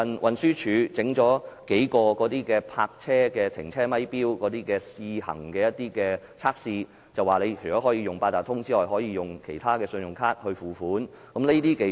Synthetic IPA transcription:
ɐ˨nwʔɐ˨nsyː˥t͡ʃʰyː˨˧t͡sɪ˨˥ŋt͡ʃɔː˨˥ke˨˥jkɔː˧kɔː˨˥t̪iː˥kɛː˧pʰaː˧k̚t͡sʰɛː˥kɛː˧t̪ʰɪ̰˨˩ŋt͡sʰɛː˥mɐ˥jpiː˥wkɔː˨˥t̪iː˥kɛː˧siː˧hɐ̰˨˩ŋkɛː˧jɐ˥t̪̚iː˥kɛː˧ | t͡sʰaː˥k̚siː˧ | t͡sɐ˨˩waː˨le˨˧jt͡ʃʰɵ˨˩jt͡ɕɔː˨˥ɦɔː˨˥jiː˧jʊ˨ŋpaː˧t̪aː˨˩t̪ʰʊ˥ŋt͡siː˥lɔː˨˩jɦɔː˨˥jiː˧jʊ˨˩ŋkʰe˨˩jt̪ʰaː˥kɛː˧sɵ˧njʊ˨ŋkʰaː˥t̚hɵ˧ɥfuː˨fuː˨˥n | kɐ˨˥mle˥t̪iː˥ke˨˧

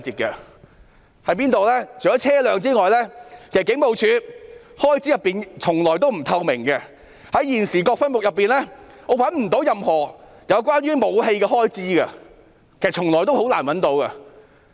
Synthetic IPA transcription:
t͡siː˨t̚kɐ˧ | hɐ˨˥jpiː˥nt̪o˨wlɛː˥t͡ʃʰo˨˩jɔ˨˥t͡sʰɛː˥lœː˨ŋt͡siː˥ŋɔː˨jlɛː˥kʰzɐ˩kɪ˨˥ŋmo˨˧wt͡ʃʰyː˨˧hɔː˥jt͡siː˥jɐ˨pːiː˨nt͡sʰʊ˨˩ŋlɔː˨˩jt̪̬o˥wm̩˨˩t̪ʰɐ˧wmɪ˨˩ŋɡɐ˧ | hɐ˨˥jjiː˨˩nsiː˨˩kɔː˧k̚fɐ˥nmʊ˨k̚jɐ˨pːiː˨nlɛː˥ | ŋɔː˨˧wɐ˨˥nm̩˨˩t̪o˨˥wjɐ˨mhɔː˨˩ | jɐ˨˧wkwaː˥nɥyː˥mo˨˧wɦe˧jkɛ˧hɔː˥jt͡siː˥ɡɐ̰˧ | kʰe˨˩sɐ˨˩t͡ʃʰʊ˨˩ŋlɔː˨˩jt̪o˥who˨˥wla̰ː˨˩nwɐ˨˥nt̪o˨˥wkɐ˧

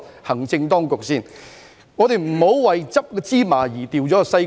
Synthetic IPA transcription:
hɐ˨˩ŋt͡sɪ˧ŋt̪ɔː˥ŋkʊ˨k̚siː˥˩n | ŋɔː˨˧t̪e˨jm̩˨˩ho˨˥wwɐ˨jt͡sɐ˥p̚kɛː˧t͡siː˥maː˨˩jiː˨˩t̪iː˨wt͡sɔː˨˥˧sɐ˧j

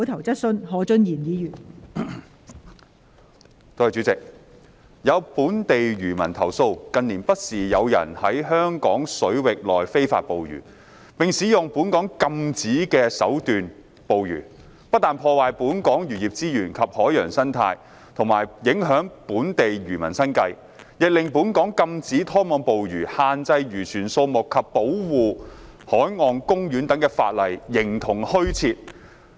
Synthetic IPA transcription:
t̪ʰɐ˨˩wt͡sɐ˥t̚sɵ˥nhɔː˨˥t͡ʃɵ˥njiː˨˩njiː˨˧˥jyː˨˩n | t̪oː˧hɐ˨jt͡ʃyː˨˥t͡sɪ˨k̚ | jɐ˨˧wpuː˨˥nt̪e˨jɥyː˨˩mɐ˨˩nt̪ʰɐ˨˩wso˧wkɐ˨niː˨˩npɐ˥t̚siː˨˩jɐ˨˧wjɐ̰˨˩nhɐ˨˥jɦœː˥ŋkɔː˨˥ŋsɵ˨˥ɥwɪ˨k̚lɔː˨jfe˥jfa̰ː˧t̚po˨wjy̰ː˨˩ | pɪ˨ŋsiː˨˥jʊ˨ŋpuː˨˥nkɔː˨˥ŋkɐ˧mt͡siː˨˥kɛː˧sɐ̰˨˥wt̪yː˨n | po˨wjy̰ː˨˩ | pɐ˥t̚t̪ːaː˨npʰɔː˧waː˨jpuː˨˥nkɔː˨˥ŋjyː˨˩jiː˨˩p̚t͡siː˥jyː˨˩nkʰɐ˨p̚hɔː˨˥jjœː˨˩ŋsɐ˥nt̪ʰa̰ː˧j | t̪ʰʊ˨˩ŋmaː˨˩jjɪ˨˥ŋɦœː˨˥ŋpuː˨˥nt̪e˨jɥyː˨˩mɐ˨˩nsɐ˥nkɐ˧j | jɪ˨k̚lɪ˨ŋpuː˨˥nkɔː˨˥ŋkɐ˧mt͡siː˨˥t̪ʰɔː˥mɔː˨˧ŋpo˨wjyː˨˩haː˨nt͡sɐ˧jɥyː˨˩t͡ʃʰyː˨˩nso˧wmʊ˨kʰːɐ˨pːo˨˥wwuː˨˧hɔː˨˥jŋɔː˨nkʊ˥ŋjyː˨˥nt̪ɐ˨˥ŋkɛː˧fa̰ː˧t̚lɐ˨˩jːɪ˨˩ŋt̪ʰʊ˨˩ŋhɵ˥ɥt͡sʰiː˧t̚

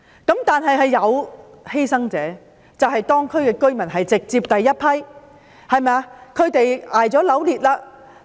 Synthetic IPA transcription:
kɐ˨˥mt̪aː˨nɦɐ˨jɦɐ˨jːɐ˨˧w | he˥jsɐ˥ŋt͡sɛː˨˥ | t͡sɐ˨whɐ˨jt̪ɔː˥ŋkʰɵ˥ɥkɛː˧kɵ˥ɥmɐ˨˩nɦɐ˨jt͡sɪ˨k̚t͡siː˧p̚t̪ɐ˨jːɐ˥t̚pʰɐ˥j | hɐ˨jmɛ˨a˧kʰɵ˨˧ɥt̪e˨jaː˨˩jt͡sɔː˨˥lɐ˨˥wliː˨t̚laː˧

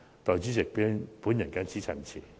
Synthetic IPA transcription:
t̪ɔː˨jt͡syː˦˥sɪ˨k̚piː˦˥pu˨˥njɐ˨˩nka˧˥nt͡siː˨˥t͡sʰɐ˨˩nt͡sʰḭː˨˩

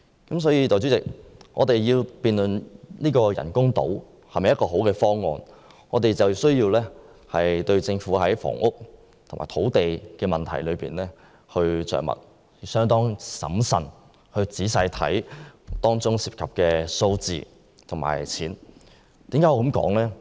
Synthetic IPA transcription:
kɐ˨˥ms̬ɔː˨˥jiː˧t̪ɔː˨jt͡sy˨˥t͡sɪ˨k̚ʔɔ̰ː˨˧t̪e˨jjiː˧wpiː˨nlɵ˨nniː˥kɔː˧jɐ̰˨˩nkʊ˥ŋt̪o̰˨˥w | hɐ˨˩mɐ˨jɐ˥kɔː˧ɦo˨˥wkɛː˧fɔː˥ŋːɔː˨˧n | ŋɔː˨˧t̪e˨jt͡sɐ˨wsɵ˥ɥjiː˧wlɛː˥ | hɐ˨jt̪ɵ˧ɥt͡sɪ˧ŋfuː˨˥ɦɐ˨˥jfɔ̰ː˨˩ŋʔʊ˥k̚ | t̪ʰʊ˨˩ŋma̰ː˨˩t̪ʰo˨˥wt̪e˨jkɛː˧mɐ˨nt̪ʰɐ̰˨˩jlɵ˨˧pḭː˨˩nlɛː˥ | hɵ˧ɥt͡sœ̰ː˨˩ŋmɐ̰˨t̚ | sœː˥ŋt̪ɔː˥ŋsɐ̰˨˥msɐ̰˨˩n | hɵ˧ɥt͡siː˨˥saː˧jt̪ʰɐ̰˨˥jt̪ɔː˥ŋt͡sʊ˥ŋsiː˨p̚kʰɐ˨p̚kɛː˧so˧wt͡sḭː˨˧ | t̪ʰʊ˨˩ŋma̰ː˨˩jt͡sʰiː˨˥n | t̪iː˨˥mkaː˨˥jɔː˧kɐ˨˥mkɔ̰ː˨˥ŋlɛː˥

